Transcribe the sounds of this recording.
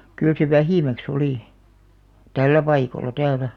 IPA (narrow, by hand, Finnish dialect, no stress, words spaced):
kyl se ʋæhiˑmæks oliˑ tælːæ pɑikolɑ tæːlæ